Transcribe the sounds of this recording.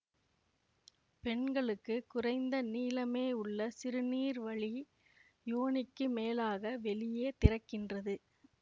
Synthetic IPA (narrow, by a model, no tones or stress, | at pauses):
pɛɳɡɐɭɯkːɯkʊrɐɪnd̪ɐniːlɐmeːʊɭːɐsɪɾɯniːɾʋɐɭi | joːɳɪkːɯmeːlaːɣɐʋɛɭɪjeːt̪ɪɾɐkːɪndrɐðɯ